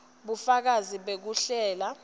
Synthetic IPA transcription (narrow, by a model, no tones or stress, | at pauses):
ɓufak̬aziɓek̬uɬɛːla